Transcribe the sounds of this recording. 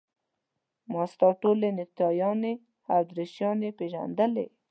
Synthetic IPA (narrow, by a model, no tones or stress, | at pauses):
mɑst̪ɑʈolenɪk̚t̪ɑjɑne | hawd̪ɾɪʃjɑnepeʒa̰nd̪əlḛ